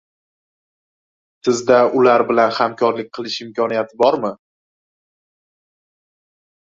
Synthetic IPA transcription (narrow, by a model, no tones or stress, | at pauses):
sɪzd̪aʊlaɾbɪlanhamkʰɒɾlɪk̚ʲqʰɨlˠɪʃɪmkʲʰɒnijat̪ʰɪbɒɾmɪ